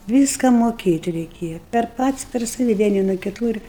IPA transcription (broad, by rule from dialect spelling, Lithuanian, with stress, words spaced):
ˈʋʲiːskɐ moːˈkʲeːtʲ rʲɛɪˈkʲeːjɛ pʲɛr ˈpɐts pʲɛr ˈsɑːʋʲɪ ˈʋʲiɛnʲɪ nuɔ kʲɪˈtuː ɪr